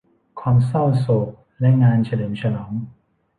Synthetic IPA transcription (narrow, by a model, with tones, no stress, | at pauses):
kʰwaː˧msa˥˩wso˨˩k̚ | lɛ˦˥ʔŋaː˧nt͡ɕʰa˧lɤː˩˦mt͡ɕʰa˧lɔː˩˦ŋ